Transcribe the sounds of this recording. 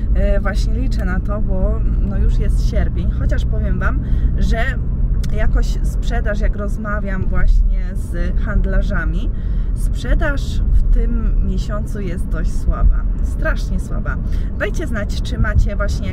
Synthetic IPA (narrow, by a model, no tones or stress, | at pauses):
vwaɕɲɛlʲit͡ʂɛnat̪ɔbɔnɔjuʂjɛst̪ɕɛɾpʲjeɲxɔt͡ɕaʂpɔvʲjɛmvamʐɛ | jakɔɕspʂɛd̪aʂjakɾɔzmavʲjamvwaɕɲɛzxand̪laʐamʲispʂɛd̪aʂft̪ɘmːʲjɛɕɔnt̪sujɛst̪̚d̪ɔɕt͡ɕswaba̰st̪ɾaʂɲɛswa̰babɛjt͡ɕɛznat͡ɕt͡ʂɘmat͡ɕɛvwaɕɲɛ